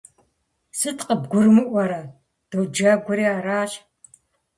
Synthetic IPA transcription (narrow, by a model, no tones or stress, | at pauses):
sɨtqəbɡʷʊrmɨʔʷɐɾɐ | d̥owd͡ʒaɡʷʊɾiːaːraːɕ